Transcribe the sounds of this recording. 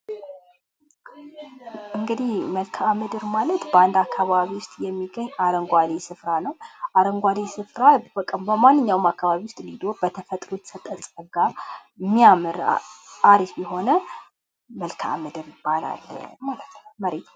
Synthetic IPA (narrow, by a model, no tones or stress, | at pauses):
ʔɨŋɡɨd̪ihməlkʰamɨd̪ɨɾmalət̪bəand̪akʰːaβaβiwʊst̪ʼjɛmːiɡəɲːaɾəŋɡʷad̪esɨfɾanəwʔaɾəŋɡʷad̪esɨfɾabəkʼːəmbəmanːɨɲːawɨmakʰːaβaβiwʊst̪ʼlid̪o̞ɾbət̪ʰəfət̪ʼɾut̪sət̪ʼəsʼəɡamːijamɨɾ̰ʔaɾisbɛɦo̞nə | məlkʰa̰mɨd̪ɨɾjɪbːala̰l̰ːmalət̪nəwməɾet̪ʰ